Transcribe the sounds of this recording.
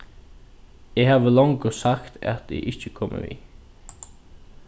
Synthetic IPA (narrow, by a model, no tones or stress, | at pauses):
ehaːʋəlɔŋkʊsakt̪ʰæ̰t̪ʰḛʔɪt͡ʃəkʰɔmʔə̰vḭː